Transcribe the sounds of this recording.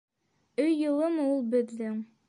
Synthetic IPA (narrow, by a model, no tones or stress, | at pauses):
ɵjːɤ̆lˠɤmulˠbɘ̆ðːɘŋ